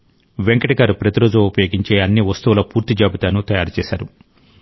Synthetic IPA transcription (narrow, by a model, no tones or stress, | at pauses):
ʋeŋkɐʈɐɡaːɾupɾɐt̪iɾo̞ːd͡ʒuupɐjo̞ːɡiɲt͡ʃe̞ːɐnːiʋɐst̪uʋulɐpuːɾt̪id͡ʒaːbit̪aːnut̪ɐjaːɾut͡ʃɛːsaːɾu